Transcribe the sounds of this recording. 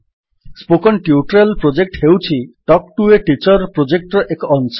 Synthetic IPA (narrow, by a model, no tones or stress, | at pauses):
spokɔnʈjuʈɾelpɾod͡ʒek̚ʈhewt͡ʃʰiʈɔkʈueʈit͡ʃɔɾpɾod͡ʒek̚ʈɾɔʔekɔɔns